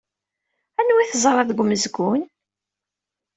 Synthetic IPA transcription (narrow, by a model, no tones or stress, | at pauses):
ænwiθəzˤɾˤɑðɡʷməzɡun